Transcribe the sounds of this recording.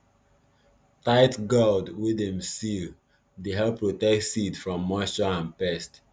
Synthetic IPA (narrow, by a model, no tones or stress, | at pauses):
taɪtɡɔldwidɛ̃mstil | deɦɛlˠpʰːɹotɛk̚tsidfɹɔ̃mːastəãnpɛst